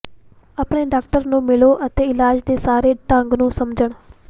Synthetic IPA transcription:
aːpɳeːɖaːk̚ʈəɾnũːmɪloːʔət̪eːɪlaːd͡ʒd̪eːsaːɾeːʈə̃ŋɡnũːsəmd͡ʒəɳ

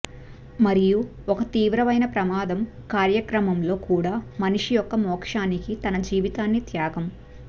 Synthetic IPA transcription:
mɐɾiju | ɔkɐt̪iːʋɾɐʋɐjnɐpɾɐmaːd̪ɐmkaːɾjɐkɾɐmɐmlo̞ːkuːɽaːmɐniʂijɔkːɐmɔːkʂaːnikit̪ɐnɐd͡ʒiːʋit̪aːnːit̪jaːɡɐm

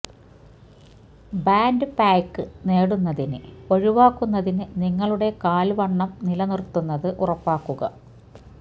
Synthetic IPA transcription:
baːndɨpaːkːɨne̞ːɽunːɐðinɨo̞ɻiʋaːkːunːɐðinɨniŋːɐɭuɽe̞kaːlʋɐɳːɐmnilɐnirt̪ːunːɐðɨʔurɐpːaːkːuɣɐ̰

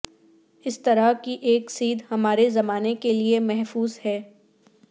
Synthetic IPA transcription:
ɪst̪ɐɾakiʔeːksiːd̪hɐmaːɾezɐmaːnekeliemɛɦfuːzhɛː

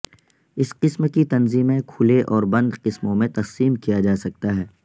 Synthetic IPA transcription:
ɪsqɪsmkit̪ɐnziːmẽkʰʊleʔɔːɾbɐ̃nd̪qɪsmõmẽt̪ɐqsiːmkijad͡ʒaːsɐk̚t̪aɦɛː

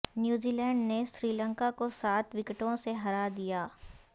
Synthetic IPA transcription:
njuːziːlɛːɳɖnesɾiːlə̃ŋkakosaːt̪ʰʋɪkʈõseɦɐɾad̪ijaː

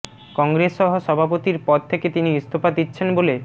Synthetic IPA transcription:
kɔŋɡɾesːɔɦoʃɔbʱapot̪iɾpɔd̪̚t̪ʰeket̪iniust̪ʰopad̪itːɕʰenbole

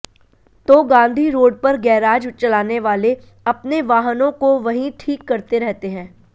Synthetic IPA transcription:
t̪oːɡãːnd̪ʱiɾoːɖpɐɾɡɛːɾaːd͡ʒt͡ʃɐlaːneʋaːle | ɐpneʋaːɦənõkoʋɐɦĩʈʰiːkːɐɾt̪eɾɛɦt̪eɦɛ̃ː

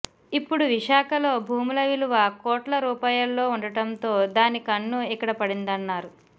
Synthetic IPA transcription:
ipːuɽuʋiʂaːkɐlo̞ːbʱuːmulɐʋiluʋɐkoːʈlɐɾuːpaːjɐlːo̞ːuɳɖɐʈɐnt̪o̞ːd̪aːnikɐɳːuikːɐɽɐpɐɽind̪ɐnːaːɾu

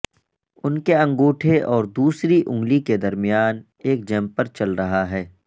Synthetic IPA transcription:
ʊnkeɐ̃ŋɡoːʈʰeʔɔːɾd̪uːsɾiʔʊ̃ŋɡliked̪ɐɾmɪjaːn | eːk̚d͡ʒɛ̃ːmpɐɾt͡ʃɐlɾɐɦaɦɛː

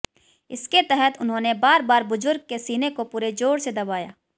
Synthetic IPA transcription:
ɪsket̪ɛɦɛt̪ʊnɦõːnebaːɾbaːɾbʊzʊɾɡ̚kesiːnekopuːɾed͡ʒoːɽsed̪ɐbaːja̰ː

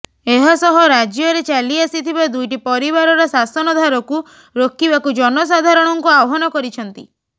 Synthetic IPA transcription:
eɦasɔɦɔɾad͡ʒjɔɾet͡ʃaliasit̪ʰibad̪ujʈipɔɾibaɾɔɾɔsasɔnɔd̪ʱaɾɔku | ɾokibakud͡ʒɔnɔs̬ad̪ʱaɾɔɽ̃ɔŋkuawɔɦɔnɔkɔɾit͡ʃʰɔnt̪i

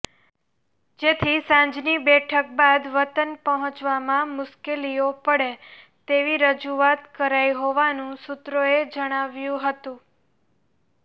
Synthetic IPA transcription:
d͡ʒet̪ʰisãɲd͡ʒnibɛʈʰək̚bad̪ʋət̪ənpəɦɔ̃t͡ʃʋamãmʊskeliopəɽe | t̪eʋiɾəd͡ʒuat̪kəɾajɦoʋanũsut̪ɾoed͡ʒəɽ̃aʋjũɦət̪ũ

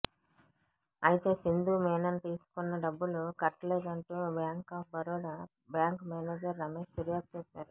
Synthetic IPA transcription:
ɐjit̪e̞ːsind̪uːmɛːnɐnt̪iːsu̥kunːɐɖɐbːulukɐʈːleːkɐɳʈuːbjaːŋkaːpbɐɾoːɽɐ | bjaːŋkmaːneːd͡ʒɐɾːɐmeːʂt̪eɾijaːk̚t͡ʃɛːsaːɾu

